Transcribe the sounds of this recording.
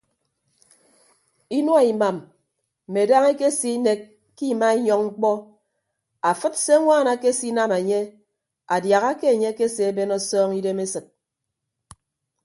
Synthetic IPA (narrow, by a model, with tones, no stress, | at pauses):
i˦nu˦a˨i˨ma˨m̩˨ | me˨da˦ŋe˦ke˦si˦ne˨kː | i˦˨ma˦i˦ɲɔ˦ŋŋ͡m̩˦k͡pɔ˦ | a˨fɨ˦tse˦ŋʷaː˦˨na˨˦ke˦si˦na˦me˨ɲe˦ | a˨dja˨ɣa˦ke˦e˨ɲe˦ke˦se˨e˦be˦nɔ˦sɔː˦ŋi˦de˦me˦sɨ˨t̚